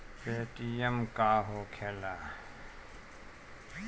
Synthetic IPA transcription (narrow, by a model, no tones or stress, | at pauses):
peːʈijəmkaːɦoːkʰeːlaː